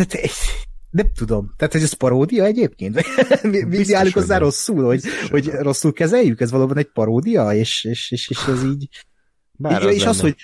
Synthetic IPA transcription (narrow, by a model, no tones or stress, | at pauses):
aːt̪ɛ̥nɛmt̪ud̪o̞mt̪aːt̪ho̞ɟɛspɒɾoːd̪ijɒɛɟeːp̚keːnt̪mimid̪iaːlukozːaːɾo̞sːuːlhoɟho̞ɟro̞sːulkɛzɛjːykɛzvɒloːbɒnɛɟ̚pɒɾoːd̪ijɒeːʃeːʃeːʃeːʃɛziːɟ | jeːʃɒsho̞ɟ